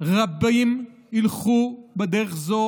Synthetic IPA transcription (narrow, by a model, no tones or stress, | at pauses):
ʁabim | ilχubed̪eʁeχzo